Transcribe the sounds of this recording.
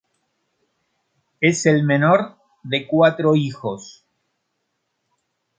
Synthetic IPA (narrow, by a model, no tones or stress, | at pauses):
e̞selme̞no̞ɾ | ðekwat̪ɾo̞ixo̞s